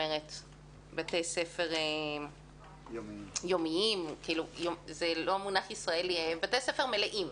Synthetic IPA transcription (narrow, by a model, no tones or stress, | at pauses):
eʁet | batesefeʁem | jomiimkiiːlujozelo̞amunaχisʁaelibatesefeʁmeleʔim